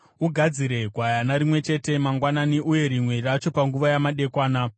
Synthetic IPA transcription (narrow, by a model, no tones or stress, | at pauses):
uɡʱad͡ziɾe̞ɡʱwajanaɾimwe̞t͡ʃe̞te̞maŋɡwananiʔuje̞ɾimwe̞rat͡ʃo̞paŋɡuʋajamaɗe̞kwaːna